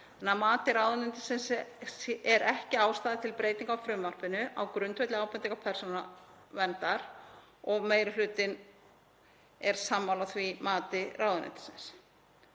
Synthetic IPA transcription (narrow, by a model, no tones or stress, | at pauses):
anːamaːt̪ɪɾaːwðʏnɪnt̪ɪ̥sɪns | ɛɾɛhcɪaːwst̪aːðɪt̪ʰɪlpɾeːjt̪iŋkawfɾʏmvar̥pɪnʏʔa̰wkɾʏnt̪vejt̪lɪaːwpɛnt̪iŋkapʰɛr̥sonavɛnt̪aɾ | ɔɣmeːjɾɪlʏːt̪ɪn | ɛɾ̥samːawlaθvimaːt̪ɪraːwðʏnɪ̰nt̪ɪ̥sɪns